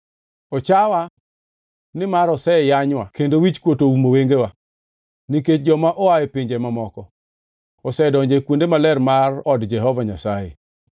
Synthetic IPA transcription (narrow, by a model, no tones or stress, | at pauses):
ɔt͡ʃawa | nɪmaɾɔsɛjaɲwakendowit͡ʃkwotoumoweŋɡewa | niket͡ʃ̚d͡ʒɔmaʔɔwajɛpɪɲd͡ʒɛmamɔkɔ | ɔsɛdɔɲd͡ʒekwondemalɛrmarɔdd͡ʒɛɦɔvaɲasajḛ